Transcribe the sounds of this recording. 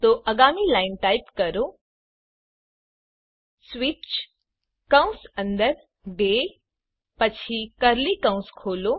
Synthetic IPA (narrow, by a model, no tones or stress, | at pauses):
t̪oʔəɡamilainʈajpkəɾo | sʋit͡ɕ | kə̃w̃sə̃nd̪əɾ | ɖe | pət͡ɕʰikəɾlikə̃w̃skʰoːlo